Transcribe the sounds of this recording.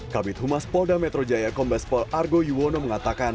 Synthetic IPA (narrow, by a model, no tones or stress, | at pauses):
kabɪt̪humaspɔldamɛt̪ɾod͡ʒajakɔmbɛspɔlarɡojuwonoməŋat̪akan